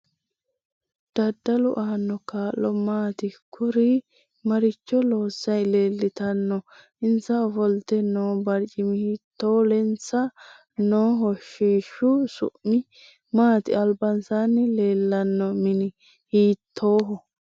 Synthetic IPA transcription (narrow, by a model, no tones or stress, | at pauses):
d̪̥ɐd̪ːɐlʊʔaːnːɔkaːlːɔmaːt̪ɪkʰʊɾi | mɐɾɪt͡ʃːɔlo̞ːsːɐjleːlːɪt̪ɐnːɔ | ɪnt͡sːɐɔfɔlt̪ɛnoːbɐɾt͡ʃʼɪmɪhiːt̪ːoːlɛnt͡sːɐ | noːɦɔʃːiːʃʊsʊ̰ʔmɪ | maːt̪ɪɐlbɐnsanɪle̞ːlːɐnːɔmɪnɪ | hiːt̪ʰːo̞ːɦɔ